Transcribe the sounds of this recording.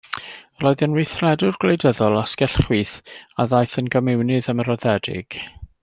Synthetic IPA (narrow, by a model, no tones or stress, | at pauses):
roːðənwejθrɛdʊrɡlejdəðɔlˠaskɛɬχwɨθaðajθənɡəmɪwnɨðəməɾɔðɛdɪ̰ɡ̥